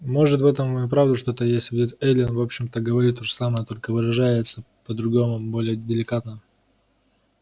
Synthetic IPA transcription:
mo̞ʐɨt̪vɛt̪əmupɾavd̪ʊʂt̪o̞t̪əjesʲtʲvʲdʲet̪ɛlʲɪnvo̞pɕːɪmt̪əɡəvɐɾʲit̪ːoʐɨsaməjət̪o̞lʲkəvɨɾɐʐajɪt̪sə | pəd̪ɾʊɡo̞mʊbo̞lʲɪjədʲɪlʲɪkat̪nə

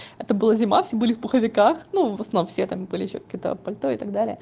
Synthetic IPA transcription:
ɛt̪əbɨlˠazʲɪmafsʲebɨlʲɪvbʊxəvʲɪkaxnuvəsɐnnomfsʲet̪ambɨlʲɪjɪɕːokɐ̥kʲijət̪ə̰pɐlʲt̪ojəɪt̪ɐɡ̚d̪alʲɪə

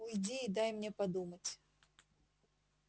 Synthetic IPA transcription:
ʊjdʲiːd̪ajmnʲepɐd̪umətʲ

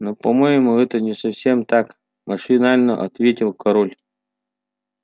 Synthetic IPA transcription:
nopɐmɔjɪmuɛt̪ənʲɪsɐfsʲemt̪ak | mɐʂɨnalʲnə̰ʔɐ̰t̪vʲetʲɪlˠkɐɾɔlʲ

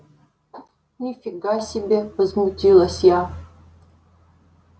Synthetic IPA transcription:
nʲifʲiɡasʲibʲevəzmut̪ʲilˠɐsʲja

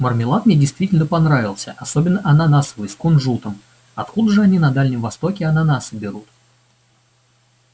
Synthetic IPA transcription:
mərmʲɪlˠat̪mnʲedʲɪjst̪vʲitʲɪlʲnəpɐnɾavʲɪlˠsʲə̰ʔɐsobʲɪnːəʔɐnanasvojskʊnʐut̪əm | ɐt̪kud̪əʐɨɐnʲinɐd̪alʲnʲɪmvɐst̪o̞kʲɪɐnanasəbʲɪɾut̪

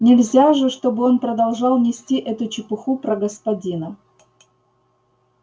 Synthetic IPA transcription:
nʲɪlʲzʲaʐɨʂt̪o̞bɨo̞npɾəd̪ɐlˠʐɑlˠnʲɪsʲtʲiʔɛt̪ʊt͡ɕɪpɨxupɾəɡəspɐdʲinə

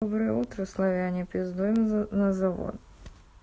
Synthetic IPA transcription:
obɾɨjəut̪ɾəslˠɐvʲanʲɪpʲɪzd̪oɪmnəzɐvo̰t̪

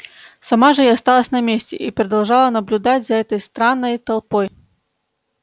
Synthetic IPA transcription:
sɐmaʐɨjast̪alˠəsʲnɐmʲesʲtʲɪ̰ʔipɾəd̪ɐlˠʐalˠənəblʲʊd̪atʲzɐɛt̪əjst̪ɾanːəjt̪ɐlˠpoj

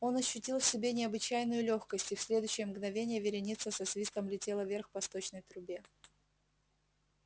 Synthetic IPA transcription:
o̞nɐɕːʏtʲilˠfsʲɪbʲe̞nʲɪɐbɨt͡ɕæjnʊjʊlʲo̞xkəsʲtʲɪfsʲlʲe̞d̪ʊɕːɪjəmɡnɐvʲenʲɪjəvʲɪɾʲɪnʲit̪səsɐsvʲist̪əmlʲɪtʲe̞lˠəvʲe̞rxpɐst̪o̞t͡ɕnəjt̪ɾʊbʲe̞

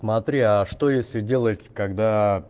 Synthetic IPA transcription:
smɐt̪ɾʲiaʂt̪o̞jesʲlʲɪdʲe̞lˠətʲkɐɡd̪a

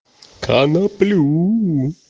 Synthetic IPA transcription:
kʰanɐplu

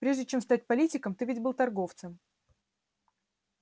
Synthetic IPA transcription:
pɾʲe̞ʐdʲɪt͡ɕe̞mst̪at̚ʲpɐlʲitʲɪkəmt̪ɨvʲɪdʲbɨlˠt̪ɐrɡo̞ft̪səm

